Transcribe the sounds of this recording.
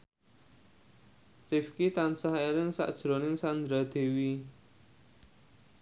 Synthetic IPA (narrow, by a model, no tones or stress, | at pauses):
rifkit̪ansaɦelɪŋsa̰ʔd̥ʒ̥ɾonɪŋsand̪ɾad̪̥e̤wi